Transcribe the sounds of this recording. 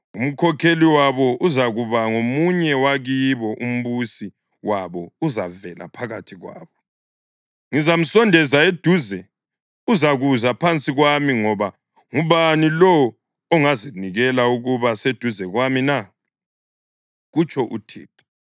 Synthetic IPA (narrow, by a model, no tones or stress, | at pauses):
um̩kʰɔkʰeliwaβɔuzaɣuβaŋomuɲɛwaɣiβɔʔum̩βusi | waβɔuzavɛlʔa̰pʰaɣatʰiɣwa̰ːβɔ | ŋizam̩sɔndʱɛzaed̥ʱuzɛ | uzaɣuzapʰant͡sʼiɣwamiŋɔβa | ŋuβanilɔː | ŋaziniɣɛlauɣuβased̥ʱuzɛɣwamina | ɣut͡ʃʰʼɔʔṵtʰḭːt̚ʰʼḁ